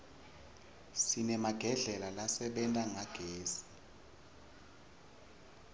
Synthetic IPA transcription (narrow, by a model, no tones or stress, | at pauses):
sinɛmaɡ̥ʱɛɮɛlalasɛɓɛntʼaŋaɡ̥ʱeːsi̥